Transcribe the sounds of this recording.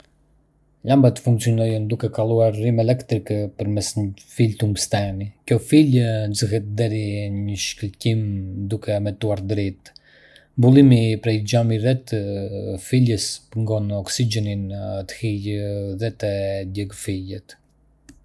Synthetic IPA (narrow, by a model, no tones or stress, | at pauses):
lambat̪ə̥fuŋk̚t͡siɔnɔjɔnd̪ukɛkalˠuaɾːimɛlɛkt̪ɾikəpəɾmɛsɲfilt̪umst̪ɛmikjɔfilzəɦɛt̪̚d̪ɛɾiɲəʃkəlcimd̪ukʰɛmɛt̪uaɾd̪ɾɛt̪ | mbulˠimipɾɛjd͡ʒamiɾɛt̪ | filəspəŋɡɔnɔksid͡ʒɛnint̪ə̥hijðɛt̪əd̪jɛɡfilɛt̪